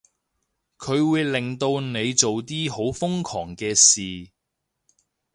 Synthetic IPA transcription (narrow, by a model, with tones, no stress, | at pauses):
kʰɵ˨˧ɥwuː˨˧jlɪ˨˩ŋt̪o˧wne˨˧jt͡so˨wt̪iː˥ho˨˥wfʊ˥ŋkʰɔː˨˩ŋkɛː˧siː˨